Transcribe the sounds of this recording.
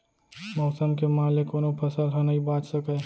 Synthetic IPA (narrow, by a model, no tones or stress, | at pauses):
mɔːsəmkemãːlekoːnopʰəsəlɦonəɦibaːt͡ʃsəkə